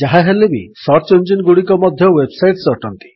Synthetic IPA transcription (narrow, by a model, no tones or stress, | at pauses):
d͡ʒaɦaɦelebisɔɾt͡ʃond͡ʒinɡuɽikɔmɔd̪ʱjɔwebsajʈsɔʈɔnt̪i̥